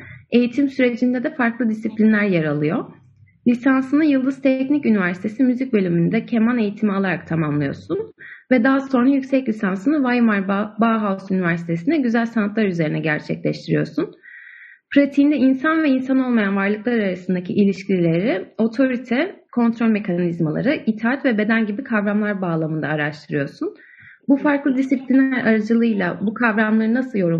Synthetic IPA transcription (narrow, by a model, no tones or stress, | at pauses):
e̞jit̪ʰimsyɾe̞d͡ʒind̪ɛd̪ɛfaɾklˠɯd̪isiplʲinlʲæɾjaɾalˠɯjo̞ | lʲisansɯnɯjɯlˠd̪ɯz̥t̪ʰɛcnicynivæɾsi̥t̪ʰe̞simyzic̚bø̞lʲymynyd̪ɛcʰemane̞jit̪ʰimialˠaɾak̚t̪ʰamamlˠɯjo̰ɾsunvɛd̪aɦaso̞nɾajycsɛclʲisansɯnɯvajmaɾbaɦawsynivæɾsi̥t̪ʰe̞sinɛɟyzælʲsanat̪lˠaɾyze̞ɾinɛɟæ̰ɾt͡ʃʰɛ̰clʲɛ̰ʃt̪ʰiɾḭjo̞̰ɾsun | pɾot̪ʰiːnd̪ɛinsanvɛinsano̞lˠmajanvaɾlˠɯklˠaɾaɾasɯnd̪acʰiʔilʲiʃcʰilʲilʲe̞ɾɪo̞t̪ʰo̞ɾit̪ʰɛkʰo̞nt̪ʰɾo̞lʲme̞cʰanizmalˠa̰ɾɯʔit̪ʰaːat̪vɛbe̞d̪ænɟibikʰavɾamlˠaɾbaːlˠamɯnd̪aːɾaʃt̪ʰɯɾɯjo̞ɾsun | bufaɾklˠɯd̪isiplʲinæɾaɾad͡ʒɯlˠɯjlˠabukʰavɾamlˠaɾɯnasɯlˠjo̞ɾu